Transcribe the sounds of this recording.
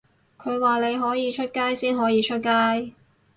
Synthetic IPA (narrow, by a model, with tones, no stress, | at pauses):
kʰɵ˨˧ɥwaː˨le˨˧jɦɔː˨˥jiː˨˧t͡ʃʰɵ˥t̚kaː˥jsiː˥nɦɔː˨˥jiː˨˧t͡ʃʰɵ˥t̚kaː˥j